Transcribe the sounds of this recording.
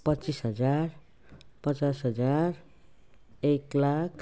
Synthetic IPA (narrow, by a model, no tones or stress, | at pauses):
pʌt͡sisɦʌd͡zar | pʌt͡sasɦʌd͡zar | eklakʰ